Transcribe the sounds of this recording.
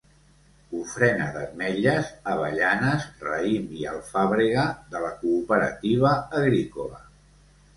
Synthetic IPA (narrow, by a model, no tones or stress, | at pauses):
ufɾɛnəðə̰zmɛʎəzəβ̞əʎanəzrə̰imiə̰lˠfaβɾiɣəðələkuːpəɾə̰t̪iβ̞əːɣɾikulə̰